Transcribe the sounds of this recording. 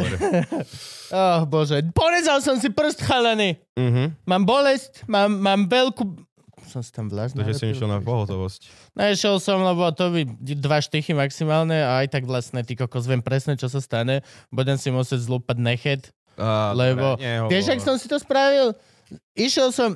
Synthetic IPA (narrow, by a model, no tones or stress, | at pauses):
ɔxbɔʒɛpɔɾɛd͡zalsɔms̬ipr̩st̪xalɛni | ɦmaːmbɔlɛscmaːmːaːmʋɛlku | sɔmsi̥t̪amʋlaʒnʒɛsɔmiʃɛlna̰pɔɦɔt̪ɔʋɔsc | nɛiʃɛlsɔmlɛβɔt̪ɔβid̪ʋaʃt̪iximaksimaːlɲɛaajt̪aɡʋlast̪nɛt̪ikɔkɔzʋjɛmpɾɛsnɛt͡ʃɔs̬ast̪aɲɛbudɛmsimusɪɛɟzluːpad̪nɛxɛt̪ | lɛbɔɛʋɪɛʒaksɔmsit̪ɔspɾaʋil | iʃɛlˠsɔm